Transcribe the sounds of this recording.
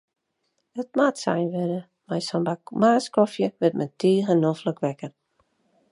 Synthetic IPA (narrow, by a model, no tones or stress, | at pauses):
ət̚matsɛ̰jnʋɪdə | majsɔmbamaːskɔfjəʋɪtmɛntʰiːəɣənɔfləkʋɛkər